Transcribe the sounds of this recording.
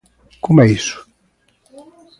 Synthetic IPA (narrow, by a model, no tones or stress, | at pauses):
kumɛisʊ̥